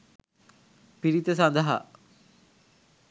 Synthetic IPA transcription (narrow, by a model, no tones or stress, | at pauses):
piɾit̪əs̬and̪əɦa̰